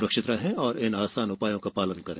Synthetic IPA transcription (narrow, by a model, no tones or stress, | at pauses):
ɾəkʃɪt̪ɾaɦɛ̃ɔːɾɪnaːsaːnʊpaːjõkapaːlənkɐɾḛ̃ː